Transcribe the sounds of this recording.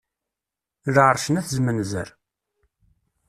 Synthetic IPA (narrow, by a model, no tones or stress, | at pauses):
lʕɾˤʃənæθzmənzə̰ɾ